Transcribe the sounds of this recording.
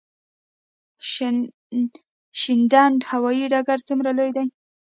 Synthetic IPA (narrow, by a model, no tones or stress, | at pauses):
ʃɪndanɖhawɑjiɖaɡaɾt͡sumɾalojd̪aj